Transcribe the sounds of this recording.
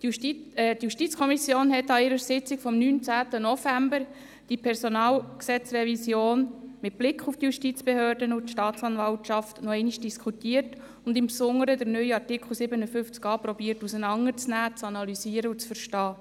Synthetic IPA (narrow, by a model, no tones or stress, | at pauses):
idjuʃtit͡skʰɔmisjoːnhɛtɑɪɾəɾsɪt͡sɪkfɔmnyːnt͡sæːtənɔfæmbəɾ | d̥ipʰɛɾsɔnɑːlksɛt͡srɛvisjoːnmɪt̚b̥lɪkʰuftəjuʃtit͡sb̥ehøːrdənʊtʃtɑːt͡sɑnvɑltʃɑftnɔɛɪniʃd̥iskʰutiːərt | ʊndɪmpsʊŋːəɾədəɾnœjɑrtikχl̩ˠsɪbənəfʏft͡skɑːpɾɔbiːəɾtusənɑŋːəɾt͡snæːt͡sɑnɑlysiːəɾəʊt͡sfəɾʃtɑː